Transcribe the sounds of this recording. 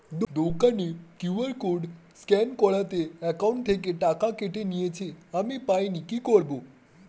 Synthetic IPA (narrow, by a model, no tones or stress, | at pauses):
d̪d̪okənikjuʋəɾkuɖskɛnkɔɭat̪eɛkauɳʈt̪ʰek̬eʈakakeʈenijet͡ɕʰeamipainikikɔɭbo